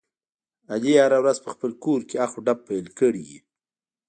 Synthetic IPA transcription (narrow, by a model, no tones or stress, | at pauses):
ad̪ehaɾawɾazpəxpəlkoɾkeaxoɖab̚pːajlkəɽiḭ